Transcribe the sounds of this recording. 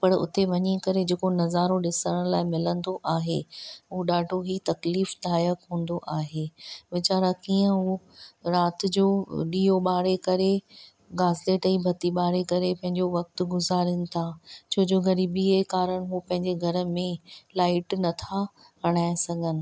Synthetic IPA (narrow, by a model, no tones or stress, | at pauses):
pɐɽʊ̰t̪eʋɐɲikɐɾed͡ʑeːkonɐzaːɾõɗɪsəɽ̃laːɪmɪlə̃nd̪oʔaːɦḛɦuːɗaːɖʱoɦit̪ɐkliːfd̪aːjəkɦũːn̆d̪oʔaːɦeːʋɪt͡ɕaːɾakiːə̃ɦu | ɾaːt̪ɪ̆d͡ʑoːɗiːoɓaːɽekɐɾe | ɡaːzleːʈɐibʱɐt̪iɓaːɽekɐɾepɐ̃ɦɪ̃ɲd͡ʑoʋɐk̚t̪ɡʊzaːɾənɪ̆t̪ʰat͡ɕʰoːd͡ʑoːɣɐɾiːbiekaːɾəɽ̃ɦupɐ̃ɦɪ̃ɲd͡ʑeɡʱɐɾə̆mẽlaːɪʈnɐt̪ʰa | ɦɐɽ̃aːɪ̃sɐɡʱənɪ̆